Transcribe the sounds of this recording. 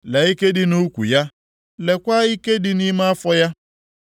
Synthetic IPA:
lɛ˨i˦ke˦dɪ˨nu˦kʷṵ˨ja˦ | le˨kʷa˦i˦ke˦dɪ˦ni˦ma˦a˦fɔ˦ja˦

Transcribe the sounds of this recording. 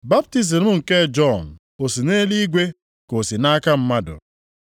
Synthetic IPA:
ba˦p̚ti˦z̬i˨m̩˦ŋ̩˨ke˦d͡ʒɔ˦˨n̩˨ | o˨si˨ne˦li˦ɡʷe˦ | ko˨si˨na˦ka˦m̩˦ma˦dʊ̰˨

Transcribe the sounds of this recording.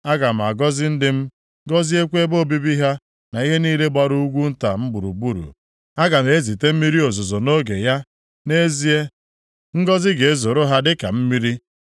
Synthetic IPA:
a˦ɡa˨m̩˨a˨ɡɔ˦zɪ˦n̩˦dɪ˦m̩˦ | ɡɔ˦zi˦e˦kʷe˦bo˦˨bi˦bi˦ɦa˦ | na˨i˦ɦe˦niː˦le˦ɡ͡ba˦ɾu˦u˦ɡʷu˦n̩˦ta˨m̩˦ɡ͡bu˨ɾṵ˨bu˦ɾṵ˨ | a˦ɡa˨m˨e˦zi˨te˦m̩˦mi˦ɾi˦o˨zo˨zo˨no˦ɡe˨ja˦ | ne˦zi˦e˦ | ŋ̩˦ɡɔ˦zɪ˦ɡe˨e˦zo˨ɾo˦ɦa˦dɪ˦ka̰˨m̩˦mi˦ɾi˦

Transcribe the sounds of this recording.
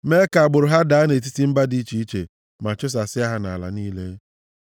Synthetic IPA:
me˦ka˨a˨ɡ͡bʊ˨ɾʊ˨ɦa˦da˨a˦ne˨t̬i˦ti˦m̩˦ba˦di˦t͡ʃi˨i˦t͡ʃḛ˨ | ma˨t͡ʃʊ˦s̬a˨sɪ˦a˦ɦa˦na̰˨la̰˨niː˦le˦

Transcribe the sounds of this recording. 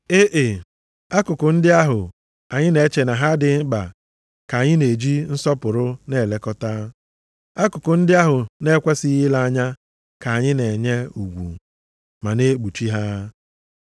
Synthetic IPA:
e˦ʔe˨ | a˦kʊ˨kʊ˨n̩˦dɪ˦a˦ɦʊ˨ | a˨ɲɪ˦ne˨˦t͡ʃe˨na˨ɦa˦dɪ˨m̩˦ɡ͡ba˨ | ka˨ɲɪ˦ne˨d͡ʒi˦n̩˦sɔ˦pʊ˨ɾʊ˦ne˨le˨kɔ˦ta˦ | a˦kʊ˨kʊ˨n̩˦dɪ˦a˦ɦʊ˨ne˦kʷe˦si˦ɦi˦la˦a˦ɲa˦ | ka˨ɲɪ˦ne˨ɲe˦ṵ˨ɡʷṵ˨ | ma˨ne˦ɡ͡bu˨t͡ʃi˦ɦa˦

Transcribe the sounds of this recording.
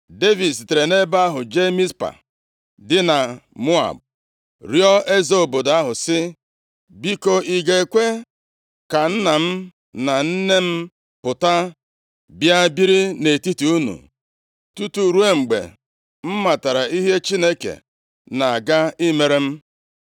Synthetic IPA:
de˦vi˨ds̬i˨te˨ɾe˨ne˦ba˦a˦ɦʊ˨d͡ʒe˦mi˦spa̰˨ | dɪ˦na˨mo˦a̰˨b̚ | ɾjɔ˦ʔe˦zo˨˦o˨bo˨da˦ɦʊ˨sɪ˦ | bi˦ko˦ʔi˨ɡe˨e˨kʷe˦ | ka˨n̩˦na˨m̩˦ | na˨n̩˦ne˦m̩˦ | pʊ˨ta˦ | bja˦bi˦ɾi˦ne˨ti˦ti˨u˦nṵ˨ | tu˦tu˨ɾu˦e˦ŋ͡m̩˨ɡ͡bḛ˨ | m̩˦ma˨ta˨ɾa˨i˦ɦe˦t͡ʃi˦ne˦kḛ˨ | na˨a˨ɡa˦i˦me˨ɾe˦m̩˦

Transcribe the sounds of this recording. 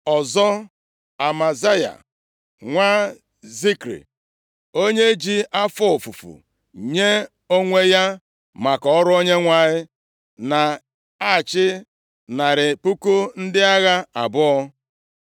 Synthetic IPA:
ɔ˨zɔ˦ | a˨ma˨za˦ja̰˨ | ŋʷa˦ | zi˦kɾḭ˨ | o˦ɲe˦d͡ʒi˦ʔa˦fɔ˦˨fu˨fṵ˨ | ɲe˦ | o˦ŋʷe˦ja˦ | ma˨kɔ˨ɔ˦ɾʊ˦o˦ɲe˦ŋʷa˨ɲɪ˦ | na˨ | a˦˨t͡ʃɪ˦ | na˨ɾɪ˨pu˦ku˦n̩˦dɪ˦a˦ɣa˦a˨bʊ˦ɔ˦

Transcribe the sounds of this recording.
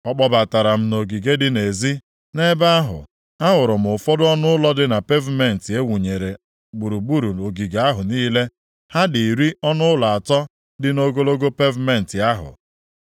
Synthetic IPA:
ɔ˦k͡pɔ˦ba˨ta˨ɾa˨m̩˦no˨ɡi˨ɡe˦dɪ˦ne˨zi˦ | ne˦ba˦a˦ɦʊ̰˨ | a˦ɦʊ˨ɾʊ˨m̩˨ʊ˨fɔ˦dʊ˦ɔ˦nʊ˦ʊ˦lɔ˦dɪ˦na˨pe˦vme˨n̩˨tɪ˨e˦wu˨ɲe˨ɾe˨ | ɡ͡bu˨ɾu˨ɡ͡bu˦ɾu˨o˨ɡi˨ɡa˨a˦ɦʊ˨niː˦le˦ | ha˦di˨ɾi˦ɔ˦nʊ˦ʊ˦la˨a˨tɔ˦ | dɪ˦no˦ɡo˦lo˦ɡo˦pe˦vme˨n̩˨tɪ˨a˦ɦʊ̰˨

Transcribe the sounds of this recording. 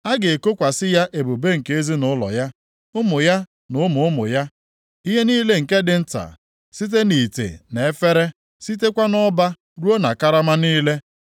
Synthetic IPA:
a˦ɡe˨ko˦kʷa˨sɪ˦ja˦ʔe˨bu˨be˦ŋ̩˨ke˦e˦zi˦nʊ˦lɔ̰˨ja˦ | ʊ˦mʊ˨ja˦ | nʊ˨˦ʊ˦mʊ˨ʊ˦mʊ̰˨ja˦ | i˦ɦe˦niː˦le˦ŋ̩˨ke˦dɪ˨n̩˦ta̰˨ | si˦t̬e˦ni˨tḛ˨ne˨e˦fe˦ɾe˦ | si˦t̬e˦kʷa˦nɔ˦ba˦ | ɾu˦o˦na̰˨ka˦ɾa˦ma˦niː˦le˦

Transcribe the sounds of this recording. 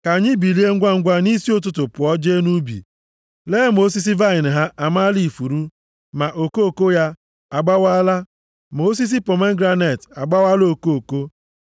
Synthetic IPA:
ka˨ɲɪ˦bi˨li˦e˦ŋ̩˦ɡʷa˦ŋ̩˦ɡʷa˦ni˦si˦o˦t̬ʊ˦tʊ˨pʊ˨ɔ˦d͡ʒe˦nu˦bḭ˨ | leː˦mo˦s̬i˦s̬i˦va˦ɪ˨n̩˨ɦa˦ʔa˨ma˦li˦˨fu˨ɾu˦ | ma˨ʔo˨ko˦o˨ko˦ja˦ | a˨ɡ͡ba˦wa˦la˦ | mo˦s̬i˦s̬i˦pɔ˨me˦ŋ̩˦ɡɾa˦ne˦˨ta˨ɡ͡ba˦wa˦lo˦˨ko˦o˨ko˦

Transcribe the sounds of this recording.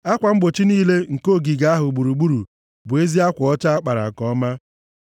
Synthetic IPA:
a˦kʷa˨ŋ͡m̩˦ɡ͡bo˨t͡ʃi˦niː˦le˦ŋ̩˨ko˦˨ɡi˨ɡa˦a˦ɦʊ˨ɡ͡bu˨ɾu˨ɡ͡bu˦ɾu˨ | bʊ˨e˦zi˦a˦kʷʊ˨ɔ˦t͡ʃa˦a˦k͡pa˨ɾa̰˨kɔ˦ɔ˦ma˦

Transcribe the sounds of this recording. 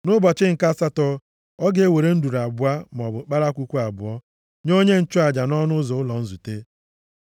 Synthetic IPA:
nʊ˦bɔ˨t͡ʃɪ˦ŋ̩˨ka˦sa˦tɔ˦ | ɔ˦ɡe˨e˦˨we˨ɾe˦n̩˦du˨ɾa˨bʊ˦a˦m˨ɔ˨bʊ˨k͡pa˦ɾa˦kʷu˦kʷu˦a˨bʊ̰˨ɔ˦ | ɲo˦ɲe˦n̩˦t͡ʃʊ˦a˨d͡ʒa˨nɔ˦nʊ˦zɔ˨ʊ˦lɔ˨n̩˦zu˨te˦

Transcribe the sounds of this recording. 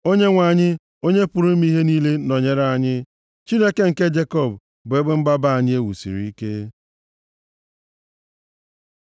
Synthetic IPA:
o˦ɲe˦ŋʷa˨ɲɪ˦ | o˦ɲe˦pʊ˨ɾu˦m̩˦mi˦ɦe˦niː˦le˦nɔ˨ɲe˨ɾa˦˨a˦˨ɲɪ˦ | t͡ʃi˦ne˦ke˦ŋ̩˨ke˦d͡ʒe˦kɔ˦˨b | bʊ˨e˦ɡ͡be˦m̩˦ɡ͡ba˦ba˦˨a˨ɲɪ˦e˦wṵ˨sḭ˨ɾi˨i˦ke˦

